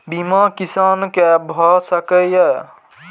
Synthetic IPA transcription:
bimakisaːnkebʱɔsəkəjə

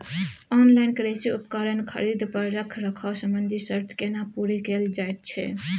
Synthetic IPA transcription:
ɔnlaɪnkɾesiupkəɾənkʰə̰ɾid̪pəɾɾəkʰɾəkʰawsəmbənd̪ʱisəɾt̪ʰkenapuɾikeld͡ʒajt̪̚t͡ʃʰɛ̰

